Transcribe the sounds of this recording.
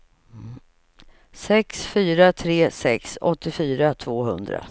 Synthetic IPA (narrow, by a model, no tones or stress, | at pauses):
sɛksfyːɾat̪ʰɾeːsɛksɔt̪ːɪfyːɾat̪ʰvoːɦɵ̰nd̪ɾa̰